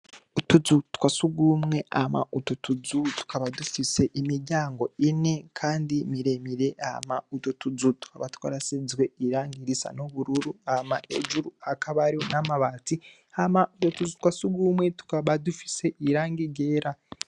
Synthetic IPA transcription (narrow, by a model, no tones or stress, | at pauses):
utuzutu̥kwasuɡumŋe̞ʔa̰ma̰ututuzutu̥kaβadufise̞ʔimiɾɟaːŋɡo̞ine̞kʰaːndimiɾe̞miɾe̞ʔa̰mautotuzutu̥kaβatkwa̰ːɾasizwe̞iɾaːŋɡiɾisa̰noβuɾuɾuamaʔḛʒuɾuakaβaɾionamaβati | hamautotuzutwasuɡumwe̞tu̥kaβadufi̥se̞ʔiɾaːŋɡiɡe̞ːɾa